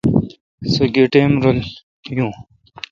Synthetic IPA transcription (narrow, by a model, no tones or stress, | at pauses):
sɐɡeʈemɾol | jũː